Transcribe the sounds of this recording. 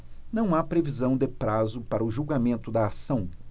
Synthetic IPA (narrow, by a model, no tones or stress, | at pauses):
nɐ̃w̃apɾevizɐ̃w̃d̪ɪpɾazʊpaɾɐʊʒuwɡamẽnt̪ʊd̪ɐːsɐ̃w̃